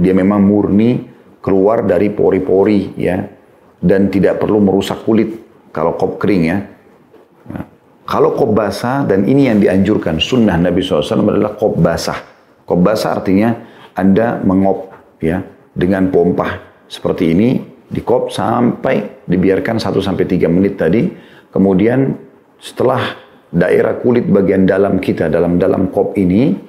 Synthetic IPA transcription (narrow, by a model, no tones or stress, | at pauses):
diamemaŋmurni | kəluardaɾipo̰ɾipoɾija̰ | dant̪idaʔpərluməɾusakːulɪt̪̚ | kalokɔp̚kəɾɪŋja | ja̰ | kalokɔp̚basadanḭnijaŋdiaɲd͡ʒurkansunːahnabisɔlːasalamada̰lahkɔp̚basa̰ | kɔp̚basa̰ːrt̪iɲaʔandaməŋɔp̚ | ja | dəŋanpɔmpah | sə̥pərt̪iːnidikɔp̚sa̰mpajdibiarkansat̪usampajt̪iɡamənɪt̪ːadikəmudian | sə̥t̪əlah | daʔḛɾa̰kulɪt̪̚baɡiandalamkit̪adalamdala̰mkɔp̚ini